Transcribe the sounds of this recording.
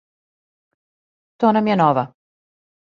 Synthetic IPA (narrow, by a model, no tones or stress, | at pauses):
t̪oːnamjɛnoʋa